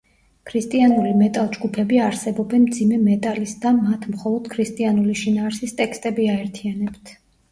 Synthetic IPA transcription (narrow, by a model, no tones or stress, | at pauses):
kʰɾist̪ʼianulimɛt̪ʼalˠd͡ʒɡupʰɛbiaɾsɛbɔbɛnmd̪zimɛmɛt̪ʼalisd̪amat̪ʰmχɔlˠɔd̪̥̚kʰɾist̪ʼianuliʃinaːɾsist̪ʼɛkst̪ʼɛbiaɛɾt̪ʰianɛbt̪ʰ